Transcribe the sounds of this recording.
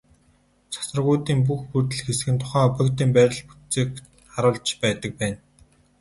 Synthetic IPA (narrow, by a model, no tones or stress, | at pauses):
t͡sʰḁsə̆rʁujt̪iːmp̬uxpurt̪̬ɘ̆ɮxesɘ̆xɘ̆nt̪ʰʊ̥χæːpə̆kt̪iːmpæɾʲɪ̆ɮpu̥tt͡seːk̚ | χaɾʊːɮt͡ɕpæːt̪ə̆k̚pæːn